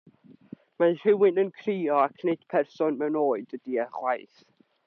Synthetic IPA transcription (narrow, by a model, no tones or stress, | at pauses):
manɬɪwɪnənkʰriːɔakʰned̥pʰɛrsɔnmɛwnoːɨdədiəχwajθ